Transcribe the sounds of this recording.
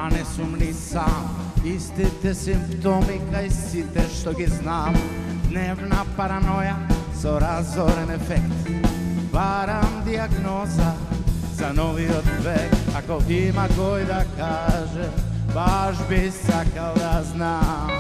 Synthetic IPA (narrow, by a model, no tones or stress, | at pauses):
anɛsumnisamist̪ɛt̪ɛsimpt̪omikaisit̪ɛʃt̪oɡiznaːmd̪neʋnapaɾanojasoɾazoɾɛnɛfɛkt̪baɾamd̪iaɡnoza | zanoʋiod̪ʋekakoʔimaɡojd̪akaːʒɛbaʃbisakald̪azna